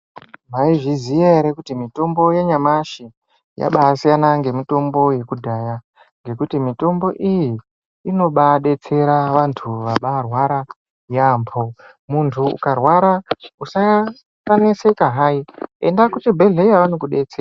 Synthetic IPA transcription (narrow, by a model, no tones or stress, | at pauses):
maiʐizijaɦeɾekutimito̞mbo̞jeɲamaʃi | ja̰ɓaːsijanaŋɡe̞mito̞mbo̞je̞kudʱaja | ŋɡe̞kutimito̞mbo̞ʔijiː | no̞ɓaɗe̞t͡se̞ɾaʋantʰuʋaɓarwaɾa | jaːmpʰo | muntʰuṵkarwaɾausa | kanesekaɦaie̞̰ndakutibʱe̞ɮe̞jaʋanokuɗe̞t͡seːra